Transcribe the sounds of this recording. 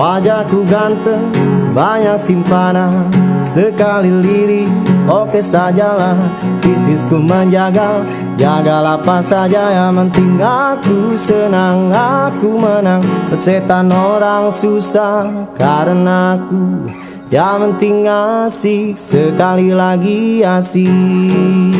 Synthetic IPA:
wad͡ʒakuɡant̪əŋbaɲak̚simpanasəkaliliɾiokesad͡ʒalapisiskuməɲd͡ʒaɡa | d͡ʒaɡalapasad͡ʒajamənt̪iŋakusənaŋakumənaŋpəset̪anoɾaŋsusakaɾənaku | jamənt̪iŋasisəkalilaɡiasi

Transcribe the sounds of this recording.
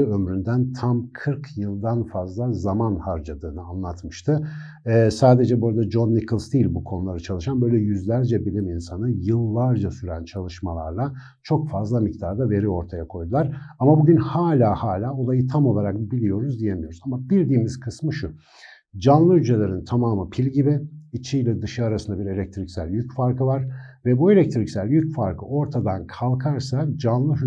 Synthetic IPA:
ɯømɾynd̪ænt̪ʰamkʰɯɾkʰjɯlˠd̪anfazlˠazamanhaɾd͡ʒad̪ɯːnɯanlˠat̪mɯʃt̪ʰɯ | saːd̪e̞d͡ʒɛbuɾad̪ad͡ʒo̞nːikʰɯlˠsd̪iːlʲbukʰonulˠaɾat͡ʃʰalˠɯʃanbø̞jlʲɛjyzlʲæɾd͡ʒɛbilʲiminsanɯjɯlˠːaɾd͡ʒasyɾænt͡ʃʰalˠɯʃmalˠa̰ɾlˠa | t͡ʃʰo̞kfazlˠamic̚t̪ʰaɾd̪ave̞ɾio̞ɾt̪ʰajakʰo̞jd̪ulˠaɾamabuɟynhaːlʲaːhaːlʲaːo̞lˠajɯt̪ʰamo̞lˠaɾak̚bilʲijo̞ɾuzd̪ije̞mijo̞ɾuzamabiɾd̪iːmizkʰɯsmɯʃu | d͡ʒanlˠɯhyd͡ʒʰe̞lʲeɾint̪ʰamaːmɯpʰilʲɟibɪit͡ʃʰijlʲɛd̪ɯʃaaɾasɯnd̪abiɾe̞lʲɛc̚t̪ʰɾicsælʲjycfaɾkʰɯvaɾ̥vɛbue̞lʲɛc̚t̪ʰɾicsælʲjycfaɾkʰɯʔo̞ɾt̪ʰad̪ankʰalˠkʰaɾsad͡ʒanlˠɯɦy

